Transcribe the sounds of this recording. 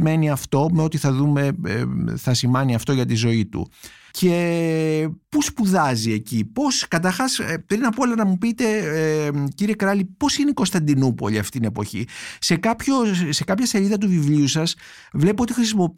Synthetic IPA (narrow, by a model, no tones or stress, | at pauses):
me̞niɐft̪o̞meo̞t̪iθɐðume̞̰ | θɐsimɐniɐft̪o̞ʝɐt̪izo̞it̪ṵ | ce̞ | puspuðɐzie̞cipo̞skɐt̪̬ɐɾxɐspɾinɐpolɐnɐmupit̪e̞ | ciɾie̞kɾɐlipo̞sineikost̪ɐnd̪inupo̞̰ʎiɐft̪it̪ine̞po̞çḭse̞kɐpço̞se̞kɐpçɐse̞ʎiðɐt̪̬uvivliusɐs | vle̞poo̞t̪ixɾis̬imo